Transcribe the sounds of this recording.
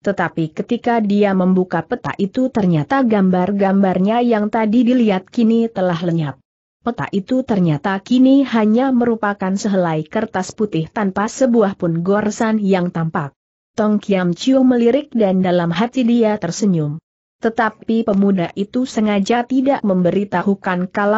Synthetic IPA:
t̪ət̪apikət̪ikadiaməmbukapət̪a̰ʔit̪ut̪ərɲat̪aɡambarɡambarɲajaŋt̪adidiliat̪̚kinit̪əlahləɲap̚ | pət̪a̰ʔit̪ut̪ərɲat̪akinihaɲaməɾupakansəɦəlaikərt̪asput̪ɪht̪anpasəbuahpʊnɡɔrsanjaŋt̪ampak̚ | t̪ɔŋkiamt͡ʃiɔŋməliɾɪk̚dandalamɦat̪idiat̪ərsəɲʊm | t̪ət̪apipəmudaʔit̪usəŋad͡ʒat̪idaʔməmbəɾit̪ahukankala

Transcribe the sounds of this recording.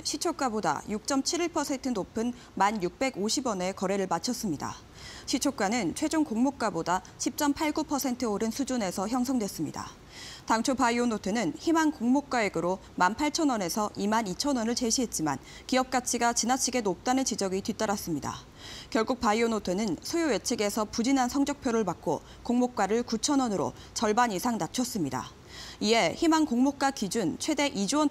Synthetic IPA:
ɕʰit͡ɕʰok̚k͈aboda̰juk̚t͡ɕ͈ʌmt͡ɕʰiɾiɭpʰʌsʰe̞ntʰɯnopʰɯn | manjuk̚p͈e̞ɡoɕʰibʌne̞kʌɾe̞ɾɯɭmat͡ɕʰʌs͈ɯmɲida̰ | ɕʰit͡ɕʰok͈anɯnt͡ɕʰwe̞d͡ʑoŋkoŋmok̚k͈aboda | ɕʰip̚t͡ɕ͈ʌmpʰaɭɡupʰʌsʰe̞ntʰɯoɾɯnsʰud͡ʑune̞sʰʌçjʌŋsʰʌŋdwes͈ɯmɲḭda̰ | taŋt͡ɕʰopaionotʰwenɯnçimankoŋmok̚k͈aeɡɯɾo | manpʰaɭt͡ɕʰʌnʌne̞sʰʌʔimanit͡ɕʰʌnʌnɯɭt͡ɕe̞ɕʰiɦe̞t̚t͡ɕ͈ima̰n | kiʌp̚k͈at͡ɕʰiɡat͡ɕinat͡ɕʰiɡe̞nop̚t͈anɯnt͡ɕid͡ʑʌɡitwit͈aɾas͈ɯmɲida̰ | kjʌɭɡuk̚paionotʰwe̞nɯnsʰojowe̞t͡ɕʰeɡe̞sʰʌpud͡ʑinɦansʰʌŋd͡ʑʌk̚pʰjoɾɯɭpak͈o̰ | koŋmok͈̚aɾɯɭkut͡ɕʰʌnʌnɯɾo̰ | t͡ɕʌɭbanisʰaŋnat͡ɕʰʌs͈ɯmɲida̰ | ie̞çimankoŋmok̚k͈akid͡ʑunt͡ɕʰwe̞de̞ʔid͡ʑuʌn

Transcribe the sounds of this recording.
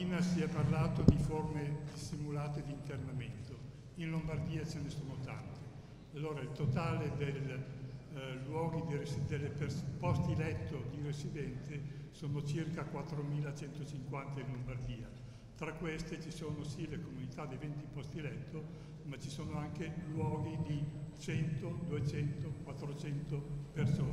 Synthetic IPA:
iːnasiɛpːarlaːt̪od̪iformed̪isːimulaːt̪ed̪iːnt̪ernament̪o | inlombard̪iːat͡ʃenesoːnot̪a̰nt̪e | alːoːɾailt̪ot̪aːled̪el | wɔːɡid̪iresd̪elːeperspɔst̪ilɛt̪ːod̪iresid̪ɛnt̪esoːnot͡ʃirkakwat̪ːɾomiːlat͡ʃɛnt̪ot͡ʃiŋkwant̪ainlombard̪iːa | t̪ɾakːwest̪et͡ʃisoːnosilekomunit̪ad̪ejvent̪ipɔst̪ilɛt̪ʰːo | mat͡ʃisoːnoaŋkelwɔːɡid̪it͡ʃɛnt̪od̪uet͡ʃɛnt̪okwat̪ːɾot͡ʃɛnt̪opersoː

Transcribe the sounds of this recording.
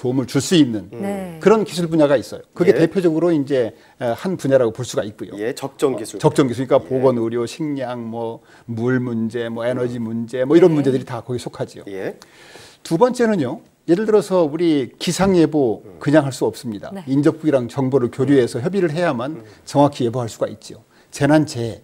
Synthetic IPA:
tomɯɭt͡ɕuɭs͈uinːɯnkɯɾʌnkisʰuɭbuɲaɡais͈ʌjokɯɡe̞te̞pʰjod͡ʑʌɡɯɾoind͡ʑe̞ | hanpuɲaɾaɡopoɭs͈uɡait̚k͈ujo̰ | t͡ɕʌk̚t͡ɕ͈ʌŋɡisʰɯɲik͈apoɡʌnɯɾjoɕʰiŋɲaŋmʌ | muɭmund͡ʑe̞mʌenʌd͡ʑimund͡ʑe̞mʌiɾʌnmund͡ʑe̞dɯɾitakʌɡisʰokʰad͡ʑio̰ | tubʌnt͡ɕ͈e̞nɯɲjo | jedɯɭdɯɾʌsʰʌuɾikisʰaŋebokɯɲaŋɦaɭs͈uʌp̚s͈ɯmɲida̰ind͡ʑʌp̚k͈uɡiɾaŋt͡ɕʌŋboɾɯɭkjoɾjue̞sʰʌçjʌbiɾɯɭɦe̞jamant͡ɕʌŋwakʰije̞boɦaɭs͈uɡait̚t͡ɕ͈io | t͡ɕe̞nant͡ɕe̞

